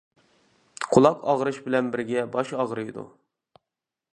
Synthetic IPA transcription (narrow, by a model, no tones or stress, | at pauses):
qʰʊlˠɑqɑ̰ʁɾɨʃbɪlɛnbɪɾɡʲɛbɑʃɑʁɾɨjd̪ṵ